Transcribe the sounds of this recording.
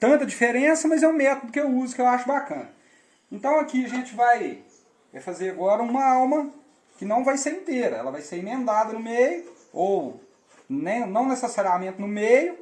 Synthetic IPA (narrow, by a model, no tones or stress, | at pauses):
t̪ɐ̃nt̪ɐd͡ʒifeɾẽsɐmɐzɛũmɛt̪od̪ʊkɪewuzʊkɪewaʃʊbakɐ̰̃nɐ | ẽnt̪ɐ̃w̃ɐkiɐʒẽnt͡ʃɪvaj | ɛfazeɾaɡɔɾɐũmɐawmɐ | kɪnɐ̃w̃vajseɾĩt̪eɾɐɛ̰lɐvajseɾĩmẽnd̪ad̪ɐnʊmejʊ | ow | nẽnɐ̃w̃nesesaɾiamẽnt̪ɪnʊmejʊ